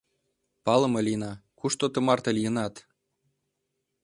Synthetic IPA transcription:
pɑlˠɤ̆mɤ̆lʲinɑkuʃt̪ot̪ɤ̆mɑrt̪ɤlijə̆nɑt̪

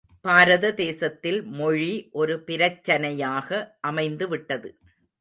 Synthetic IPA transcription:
baːɾɐðɐd̪eːsɐt̪ːɪlmɔɻiʔɔɾɯpɪɾɐt͡ʃːɐnɐjaːɣɐʔɐmɐɪnd̪ɯʋɪʈːɐðɯ

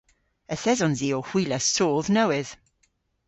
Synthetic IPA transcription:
əθɛzɔ̃nziːohw̥iːləsoːðnəwɪð̥

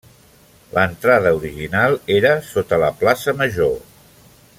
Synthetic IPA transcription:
lʔənt̪ɾað̞əuɾiʒinalˠeɾəsot̪ələplasəməʒo

